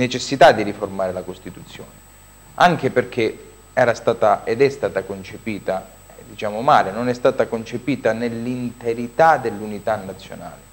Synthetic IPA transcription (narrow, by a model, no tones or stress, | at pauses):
net͡ʃesːit̪ad̪ːiɾiformaːɾelakost̪it̪ut̪sːjoːne | aŋk̟eperk̟ʰe | ɛːɾast̪aːt̪aed̪ɛst̪aːt̪akont͡ʃepiːt̪a | ɛd̪it͡ʃaːmomaːlenonɛst̪aːt̪akont͡ʃepiːt̪anelːint̪eɾit̪ad̪elːunit̪anːat̪sːjo̰na̰ːle